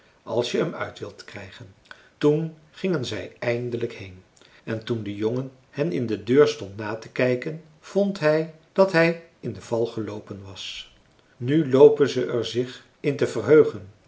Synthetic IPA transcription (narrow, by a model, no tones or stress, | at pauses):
ʔɑ̰lˠsjəəmœ̰ɥtʋɪlˠtkrɛjχən | tun | χɪŋənzɛjɛjndələkhejn | ɛntundəjoŋən | hɛnɪndədøːɹstɔntnaːtəkɛjkən | v̥ɔntɦɛjd̥ɑtɦɛj | ɪndəv̥ɑlˠχəlowpənʋɑs | nylowpənzəʔɛɹzɪχ | ɪntəvərɦøɥχən